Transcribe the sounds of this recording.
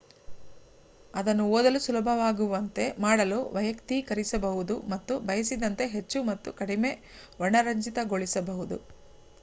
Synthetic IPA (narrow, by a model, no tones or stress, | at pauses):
ɐd̪ɐnːuoːd̪ɐlusulɐbʱɐʋaːɡuʋɐnt̪e̞maːɽɐluʋɐjɐkt̪ikɐɾisɐbɐɦud̪umɐt̪ːubɐjɐsid̪ɐnt̪e̞ɦe̞t͡ʃːumɐt̪ːukɐɽime̞ɔɳɐɾɐɲd͡ʒit̪ɐɡoɭisɐbɐɦud̪ṵ